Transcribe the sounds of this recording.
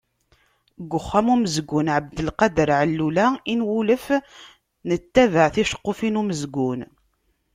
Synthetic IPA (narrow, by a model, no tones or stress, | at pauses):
ɡʷːəχːæmuməzɡunʕəb̚d̪əlqɑd̪əɾʕəlːulæinwuləf | nət̪ːævəʕθiʃə̥qːofinuməzɡun